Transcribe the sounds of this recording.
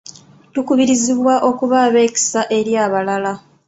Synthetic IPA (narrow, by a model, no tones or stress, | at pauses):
tukuβiɾiziβwaʔo̞kuβaːβe̞ːki̥saʔe̞ɾjaːβalala